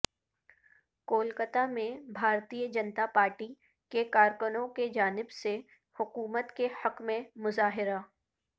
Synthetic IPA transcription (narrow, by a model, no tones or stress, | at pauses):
koːlkət̪amẽbʱaːɾt̪ijəd͡ʒənt̪apaːɾʈi | kekaːɾkənõked͡ʒaːnɪbse | hʊkuːmət̪kehɐkmẽmʊzaːɦɪɾa